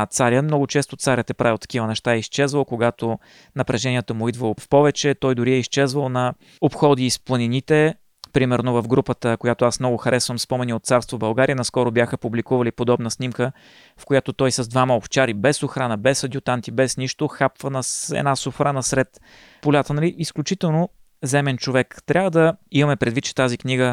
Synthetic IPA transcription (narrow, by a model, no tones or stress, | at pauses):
t̪saɾʲjəmnɔɡʊt͡ʃɛst̪ot̪saɾʲət̪ɛpɾavilˠt̪ɐ̥kʲivənɛʃt̪aɛist͡ʃɛzvəlˠkoɡat̪o | nɐpɾɛʒɛnʲiɛt̪əmʊid̪vəlˠofpɔvɛt͡ʃɛt̪ɔjd̪ʊɾiɛiʃt͡ʃɛzvəlˠnɐ | opxɔd̪iːsplˠɐninit̪ɛ | pɾimɛɾnovəfɡɾupət̪əkojat̪oasmnɔɡʊxɐɾɛsvəmspɔmɛniot̪̚saɾst̪vobɐlˠɡaɾiənɐskɔɾobjaxəpublikuvɐlipod̪ɔbnəsnimkə | fkojat̪ot̪ɔjsəzd̪vaməoft͡ʃaɾibɛsoxɾanəbɛsɐd̪ʲjʊt̪ant̪ibɛsniʃt̪oxapvənɐsɛ̰nasʊxɾanəsɾɛt̪ | polʲat̪ənɐliʔisklʲʊt͡ʃit̪ɛlˠno | zɛmɛnt͡ʃovɛkt̪ɾʲʔavəd̪ɐimɐmɛpɾɛd̪vit̪̚t͡ʃɛ̥t̪azikniɡə